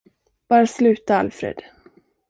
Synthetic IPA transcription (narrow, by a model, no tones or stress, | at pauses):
b̥ɑːɾaslʉ̟ːt̪aalfɾḛːd̪̥